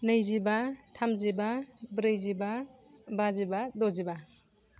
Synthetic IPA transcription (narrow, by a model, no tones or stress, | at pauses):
nɯjzibatʰamzibabɾɯjziba | bazibadɔziba